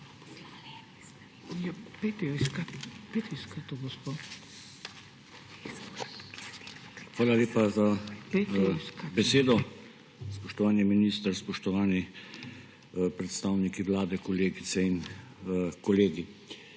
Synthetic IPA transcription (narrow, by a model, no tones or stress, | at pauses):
japet̪skat̪pet̪skat̪oɡospo | xʋaːlaleːpaza | bɛseːd̪ɔ | spɔʃt̪ɔʋaːniminiːst̪əɾspɔʃt̪ɔʋaːni | pɾɛt̪st̪aːwnikiʋlaːd̪ɛkɔleːɡit̪sɛin | kɔleːɡi